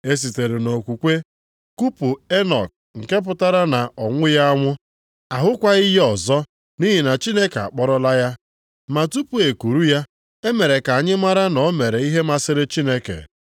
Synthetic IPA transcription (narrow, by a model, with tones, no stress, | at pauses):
e˦s̬i˨te˨ɾe˨no˨kʷu˨kʷe˦ | ku˦pu˨e˦nɔ̰˨k̚ | ŋ̩˨ke˦p̬ʊ˨ta˦ɾa˦na˨ʔɔ˨ŋʷʊ˦ja˦a˦ŋʷʊ˦ | a˨ɦʊ˦kʷa˦i˦ɦɔ˨zɔ˦ | ni˦ɦi˨na˨t͡ʃi˦ne˦ke˨a̰˨k͡pɔ˦ɾɔ˦la˦ja˦ | ma˨tu˦pu˨e˨ku˨ɾu˦ja˦ | e˦me˨ɾe˨ka˨a˨ɲɪ˦ma˦ɾa˦nɔ˨˦me˨ɾe˨i˦ɦe˦ma˨sɪ˦ɾɪ˦t͡ʃi˦ne˦kḛ˨